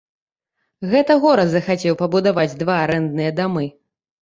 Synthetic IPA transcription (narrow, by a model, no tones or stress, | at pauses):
ɣɛt̪ɐɣɔɾɐzɐxat͡sʲɛwpɐbud̪avad͡zʲd̪vaːɾɛnd̪nɨjɐd̪amɨ